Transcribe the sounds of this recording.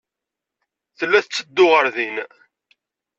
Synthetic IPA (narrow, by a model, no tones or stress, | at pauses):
θəlːæθət͡sːəd̪ːʊʁəɾðin